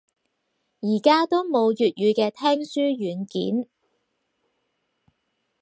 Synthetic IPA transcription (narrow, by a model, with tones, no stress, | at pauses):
jiː˨˩kaː˥t̪o˥wmo˨˧wjyː˨t̚jyː˨˧kɛː˧t̪ʰɛː˥ŋsyː˥jyː˨˧˥nkḭː˨˥n